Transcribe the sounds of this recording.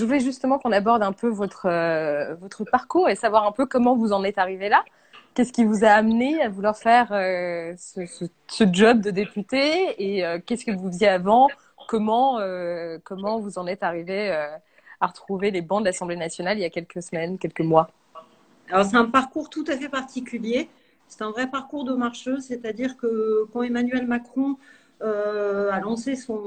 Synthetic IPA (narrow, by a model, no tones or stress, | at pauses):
ʒəvulɛʒyst̪əmɑ̃kɔ̃nabɔʁd̪ɛ̃pøvɔt̪χəvɔt̪χəpaʁkuʁesavwaʁɛ̃pøkɔmɑ̃vuzɑ̃nɛt̪aʁivela | kʲɛskʲivuzaːmneavulwaʁfɛʁøsəsə | səd͡ʒɔb̚d̪əd̪epyt̪eːøkʲɛskəvuvjɛavɑ̃ | kɔmɑ̃økɔmɑ̃vuzɑ̃nɛt̪aʁiveø | aʁət̪χuvelebɑ̃d̪əlasɑ̃blenasjɔnalijakʲɛlkəsəmɛnkʲɛlkəmwa | alɔʁs̬ɛt̪ɛ̃paʁkuʁt̪ut̪afɛpaʁt̪ikʲylje | sɛ̥t̪ɛ̃vʁɛpaʁkuʁd̪əmaʁʃøset̪ad̪iʁkəkɑ̃emanɥɛlmakχɔ̃ | øalɑ̃sesɔ̃